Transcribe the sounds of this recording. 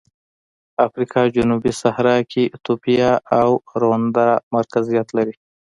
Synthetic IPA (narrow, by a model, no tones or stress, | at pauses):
afɾikʰɑd͡ʒʊnubisahɾɑkʰit̪upijɑʔawɾond̪amaɾkazijat̪laɾi